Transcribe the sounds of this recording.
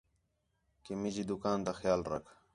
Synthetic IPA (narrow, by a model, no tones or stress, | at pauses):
kimid͡ʑiːd̪ʊkaːnt̪axjaːlɾə̰kʰ